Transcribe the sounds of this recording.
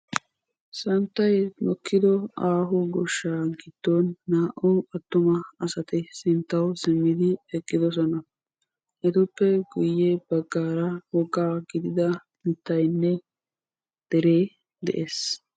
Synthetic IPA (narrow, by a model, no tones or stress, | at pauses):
sɐnt̪ːɐjnɔkʰːɪd̪ɔaːɦʊɡɔʃːaːɡɪd̪̥ːonːaːʔʊʔɐt̪ːʊmɐɐsɐt̪ɛsɪnt̪ːɐwsɪmːɪd̪ɪɛkʼːɪd̪ɔs̬ɔnɐ | ʔɛd̪ʊpːɛɡʊjːebɐɡːaːɾɐwɔɡaːɡɪd̪ɪd̪ɐ | mɪt̪ːɐjnːɛ | d̪̥ɛɾe̞ː | d̪ɛ̰ʔeːs